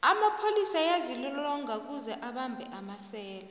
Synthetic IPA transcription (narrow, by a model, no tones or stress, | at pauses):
amapʰolisajazilɛlɔŋʱak̬uzɛʔaɓambʱɛʔamasɛːla